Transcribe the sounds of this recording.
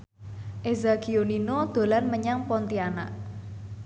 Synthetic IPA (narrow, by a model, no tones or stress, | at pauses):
ʔezakioninod̪̥o̤lanməɲaŋpɔnt̪iana̰ʔ